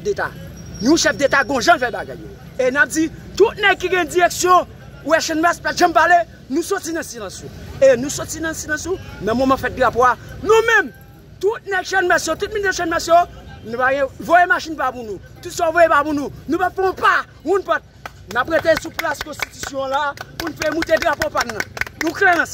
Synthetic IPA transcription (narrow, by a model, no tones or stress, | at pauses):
ʃɛfdet̪a̰nũʃɛfdetaɡɔ̃ʒãfɛbaɡa̰jːo̰ | enap̚d͡zitut̪̚nɛɡ̚kiɡɛ̃d͡ziʁeksjɔ̃ | wɛʃɛnmɛspatʒãmpale | nũsɔtinɐ̃silɐ̃sũenũsɔt͡sinɐ̃silɐ̃sũnɐ̃momãfɛt̚dlapoanũmɛ̃m | tut̚nɛɡʃɛnmɛsjotut̚mĩndʃɛnmɛsjonũpaɡɛ̃vojemaʃinpapũnũ | tutsɔvojepapũnũnũpafɔ̃pa | wũnpat̚ | napɣetesuplaskɔ̃sti̥ty̥sjɔ̃lapunfɛmũtedʁapopannɐ̃nũklɛ̃s